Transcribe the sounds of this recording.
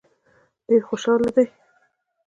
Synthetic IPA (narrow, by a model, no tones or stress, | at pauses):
d̪̥eɾxoʃɑlad̪aj